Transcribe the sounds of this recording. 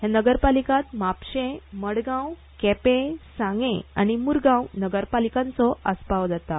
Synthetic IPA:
janəɡəɾpalikãt̪mapɕẽməɽɡãw | kɛpẽsãŋɡẽa̰ñimuɾɡãwnəɡəɾpalikãnt͡sɔəspaʋd͡zat̪a

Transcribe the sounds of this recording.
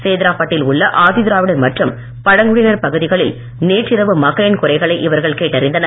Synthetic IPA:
seːðɪɾaːpɐʈːɪlʊɭːɐʔaːðɪðɪɾaːʋɪɽɐnmɐʈrɯm | pɐɽɐŋɡɯɽɪnɐɾpɐɣɯðɪɣɐɭɪl | neːʈrɪɾɐʋɯmɐɣɐɭɪnkʊrɐɪɣɐɭɐɪʔɪʋɐɾɣɐɭkeːʈːɐɾɪnd̪ɐnɐɾ

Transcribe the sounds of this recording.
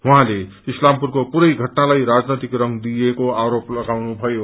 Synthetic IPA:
wuɦãle | islampurkopuɾʌjɡʱʌʈnalajɾad͡znet̪ikrʌŋɡd̪ijekoaɾoplʌɡawnubʱʌjo

